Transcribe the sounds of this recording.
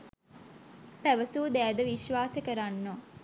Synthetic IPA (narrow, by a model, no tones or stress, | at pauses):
pæʋəsuːd̪æːd̪əʋiʃʋaːsəkəɾanːo